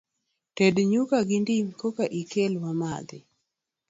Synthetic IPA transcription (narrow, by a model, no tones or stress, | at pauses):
tedɲukaɡɪndiŋkokaʔikelwama̰d̪ɪ̰